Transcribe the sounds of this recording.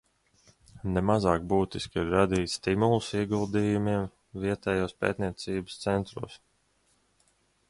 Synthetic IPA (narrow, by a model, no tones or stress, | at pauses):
nɛmazɑːk̚buːt̪iskiɾːad̪iːt̪st̪imulˠusiɛɡulˠd̪ijumiɛm | viɛt̪ɛːjuːspɛ̰ːt̪niɛt̪siːbəst̪sɛnt̪ɾṵːs